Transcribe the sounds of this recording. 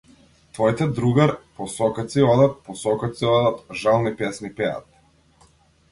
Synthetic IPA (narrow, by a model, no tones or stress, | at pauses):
t̪vɔjt̪ɛd̪ɾuɡaɾpɔsɔkat̪siɔd̪at̪̚pɔsɔkat̪siɔd̪at̪ʒalˠnipɛsnipɛa̰t̪̚